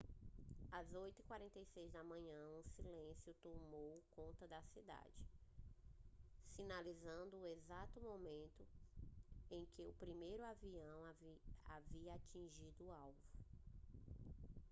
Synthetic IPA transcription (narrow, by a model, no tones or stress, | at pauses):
azojt̪ʊikwaɾẽnt̪ejsejzd̪ɐmɐ̃ɲɐ̃ũsilẽsjʊt̪omowkõnt̪ɐd̪ɐsid̪a̰d͡ʒɪ | sinalizɐ̃nd̪ʊːezat̪ʊmomẽnt̪ʊ | ẽj̃kɪʊpɾimejɾʊaviɐ̃w̃aviɐat͡ʃĩʒid̪ʊːawvʊ